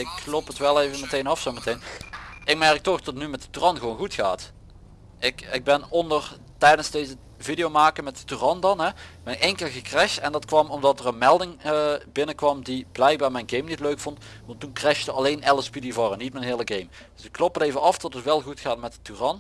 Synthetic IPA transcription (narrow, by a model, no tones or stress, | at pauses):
ɪkːlopətʋɛlˠejvəmətejnɑfsomətejnɪk̚mɛɹk̚tɔxdɑtətnymɛt̚də̥tyrɑnɣəʋownɣutxaːt | ɪkɪɡ̚bɛnɔndər | tɛjdənzdejzə | vidijomaːkəmɛt̚dətyrɑndɑnɦɛmɛɛŋkəlɣəkrɛʃtɛndɑtkʋɑmɔmdɑtərənmɛlˠdɪŋəbɪnəkʋɑmdib̥lɛjk̚baːɹmɛjnɡejmnitløɥkfɔnt | ʋɑntːunkrɛʃtəɑlejnɛlˠəspidivoːrənitmɛjnɦɪːləɡejm | d̥ɵsɪkːlɔpətejvənɑfdɔtətʋɛlˠɣutxaːtmɛtətyrɑn